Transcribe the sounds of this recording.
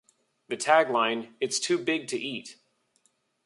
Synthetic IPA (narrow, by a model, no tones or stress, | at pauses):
ðɨtʰæɡlãɪ̃nɨtstʰʉbɪɡ̚tʰɨʔit̚